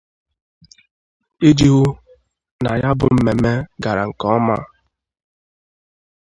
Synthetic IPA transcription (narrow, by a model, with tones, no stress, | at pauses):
i˦d͡ʒi˦ɣu˦ | na˨ja˦bʊ˨m̩˦me˨me˦ɡa˨ɾa˨ŋ̩˨kɔ˦ɔ˦ma̰˦